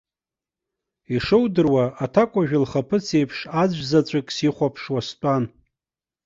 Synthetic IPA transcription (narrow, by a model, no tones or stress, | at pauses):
iʂɨwdɨrwaatʰakʷʼaʒᶣʊlχapʰɨt͡sʰe̞jpʰʂad͡zʷzat͡ɕʷʼakʼsiχʷapʰʂwastʷʼan